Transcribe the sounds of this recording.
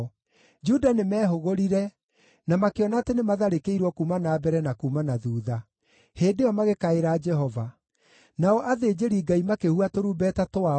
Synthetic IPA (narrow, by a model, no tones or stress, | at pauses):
d͡ʒudanemɛːɦoɣoɾiɾɛ | namakeɔnaːtenemaðaɾekeiɾwɔkumanaːbɛɾɛnakumanaðuːða | heːndeɔmaɣekaeɾaːd͡ʒɛɦɔva | naɔʔaðed͡ʑeɾiːɡaimakehuatoɾuːbɛtatoa